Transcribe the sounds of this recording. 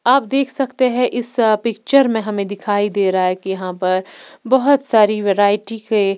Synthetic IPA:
aːp̚d̪eːkʰsɐkt̪eɦɛ̃ʔɪspɪkt͡ʃəɾmẽɦɐmẽd̪ɪkʰaːid̪eːɾɐɦaɦɛkijɐɦãpɐɾbɐɦʊt̪saːɾiʋeɾaːɪʈike

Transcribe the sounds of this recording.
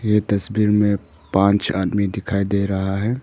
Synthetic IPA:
jet̪ɐsbiːɾmẽ | pãːnt͡ʃaːd̪mid̪ɪkʰaːid̪eɾɐɦaɦɛː

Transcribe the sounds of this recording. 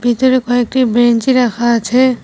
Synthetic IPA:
bʱit̪oɾekɔek̚ʈibɾent͡ʃiɾakʰat͡ʃʰɛ

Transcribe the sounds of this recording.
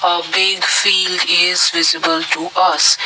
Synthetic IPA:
abɪɡfiːlɖɪzvɪzɪbəltʰuʔʌs

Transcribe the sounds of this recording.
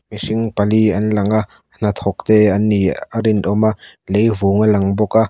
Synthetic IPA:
misɪŋpɐliɐnlɐŋaʔ | n̥ɐt̪ʰɔk̚t̪ɛɐniaɾint̪ɔmaʔlejvuːŋɐlɐŋbɔka

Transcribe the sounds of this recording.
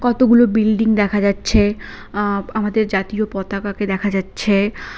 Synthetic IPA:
kɔt̪oɡulobilɖiŋd̪ɛkʰad͡ʑatːɕʰe | amad̪eɾd͡ʑat̪iopɔt̪akaked̪ɛkʰad͡ʑatːɕʰe

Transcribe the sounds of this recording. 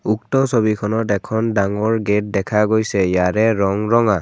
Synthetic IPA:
uk̚tɔsoβikʰɔnɔtɛkʰɔndaŋɔɹɡet̚dɛkʰaɡojsɛjaɹɛɹɔŋɹɔŋa

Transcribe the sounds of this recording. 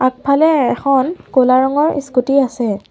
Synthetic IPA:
ak̚pʰalɛɛxʰɔnkolaɹɔŋɔɹḭskutiasɛ

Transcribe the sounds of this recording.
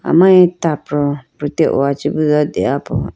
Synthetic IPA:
a̰mãɲɪtapʰɾʊpɾiteʔɔ̰at͡ɕibuzɔdeapʰʊ̰

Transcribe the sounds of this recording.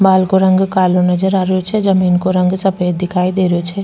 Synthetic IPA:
baːlkoɾə̃ŋɡkaːlonɐd͡ʒəɾaːɾjot͡ʃʰɛd͡ʒəmiːnkoɾə̃ŋɡsɐpejd̪ɪkʰaːid̪eːɾjot͡ʃʰɛ

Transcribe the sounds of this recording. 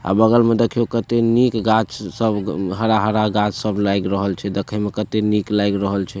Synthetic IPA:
a̰bəɡəlmed̪ekʰiokət̪enikɡat͡ʃsəbɦəɾaɦəɾaɡat͡ʃsəblajɡɾəɦəlt͡ʃʰɛd̪ekʰɛmekət̪eniklajɡɾəɦəlt͡ʃʰɛ

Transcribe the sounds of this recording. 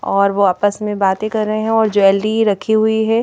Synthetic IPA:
ɔːɾʋoaːpəsmẽbaːt̪ẽkɐɾːɐɦeɦɛ̃ɔːɾd͡ʒoːɛːlɖiɾɐkʰiɦʊiɦɛː

